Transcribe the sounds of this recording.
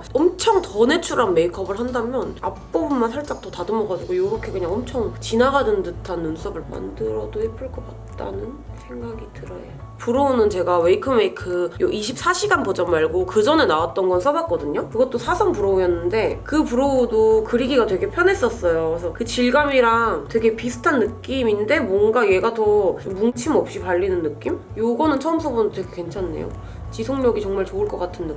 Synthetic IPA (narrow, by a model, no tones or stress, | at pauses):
ʌmt͡ɕʰʌŋtʌne̞t͡ɕʰuɾanme̞ikʰʌbɯɭɦandamjʌnap̚p͈obumːansʰaɭt͡ɕ͈aŋ̚t͈ʌtadɯmʌɡad͡ʑiɡojoɾʌkʰe̞kɯɲaŋʌmt͡ɕʰʌŋt͡ɕinaɡadɯndɯtʰanːunsʰʌbɯɭma̰ndɯɾʌdohipʰɯɭk͈ʌk͈at̚t͈a̰nɯn | sʰe̞ŋɡaɡitɯɾʌjḛo | puɾounɯnt͡ɕe̞ɡawe̞ikʰɯmeikʰɯjoʔiɕʰip̚s͈ʰaɕʰiɡanpod͡ʑamaɭɡokɯd͡ʑʌne̞nawat̚t͈ʌnɡʌnsʰʌbak͈ʌdɯɲokɯɡʌt͈̚osʰasʰʌŋpuɾoujʌnːɯnde̞kɯpuɾoudokɯɾiɡiɡatwe̞ɡe̞pʰjʌne̞s͈ʌs͈ʌjoesʰʌkɯt͡ɕiɭɡamiɾaŋtwe̞ɡe̞pisʰɯ̥tʰanːɯk͈iminde̞mwʌŋɡaje̞ɡatʌt͡ɕomːuŋt͡ɕʰimʌp̚ɕ͈ipaɭːinɯnːɯk͈imjoɡʌnɯnt͡ɕʰʌʌmsʰobundotwe̞ɡekwe̞nt͡ɕʰanːḛjo̰ | t͡ɕisʰoŋɲʌɡit͡ɕʌŋmaɭt͡ɕoɯɭk͈ʌk͈atʰɯnːɯ